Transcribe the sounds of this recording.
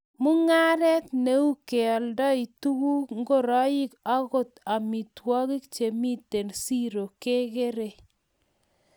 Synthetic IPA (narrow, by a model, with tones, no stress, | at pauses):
mu˦ŋa˦ɾɛ˦tne˦u˦ke˨ɔ˨ldɔ˦i˨tu˦ɣu˦kŋɡo˦ɾɔ˦ji˦ka˦ɣo˦ta˨mi˨twɔ˦ɣi˦kt͡ʃe˨mi˦te˨nsi˦ɾo˨ke˦ɣe˦ɾe˨